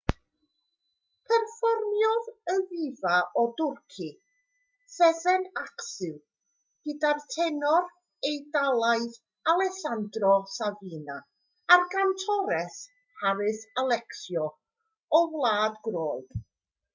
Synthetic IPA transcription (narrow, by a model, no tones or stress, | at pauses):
pʰɛrfɔrmjɔðəvivaʔɔdʊrkʰi | sɛðɛnaksɨw | ɡ̥ədartʰɛnɔr | ejdalˠaɨð | alˠɛsandrɔsaviːna | arɡantʰɔɾɛs | haɾɨθalˠɛksjɔ | ɔvlˠaːdɡroːlˠd̥